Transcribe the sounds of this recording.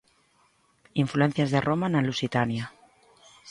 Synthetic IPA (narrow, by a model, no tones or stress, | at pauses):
iɱfluen̟θjazðerʔomanalusit̪anja